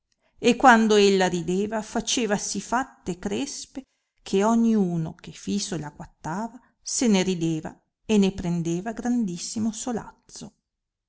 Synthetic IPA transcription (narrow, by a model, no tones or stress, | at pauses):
ekːwand̪oelːaɾid̪eːvafat͡ʃeːvasifat̪ːekɾespe | kʰeɔɲːiuːno̰kefisolaɡwat̪ːaːva | seneɾid̪eːva̰ | enepɾend̪eːvaɡɾand̪isːimosola̰t̪so